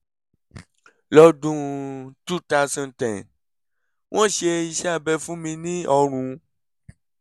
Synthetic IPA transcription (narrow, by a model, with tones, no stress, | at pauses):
lɔ˧dũ˧tu˦˨ta˧˨sɔ̃˨ntɛ̃˨n | wʔɔ̃˦ʃe˧i˧ʃɛ˦a˦˨bɛ˧fũ˦mĩ˧nĩ˦ɔ˧ɾ̃ũ˨˧